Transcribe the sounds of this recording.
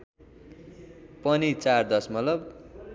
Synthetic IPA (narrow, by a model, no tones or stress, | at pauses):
pʌnit͡sard̪ʌsmʌtlʌb